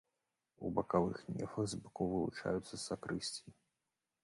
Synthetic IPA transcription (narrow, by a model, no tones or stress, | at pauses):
ubɐkavɨxnʲɛ̰fɐɣzbakowvɨlˠut͡ʂa̰jut̪sːɐsakɾɨsʲt͡sʲi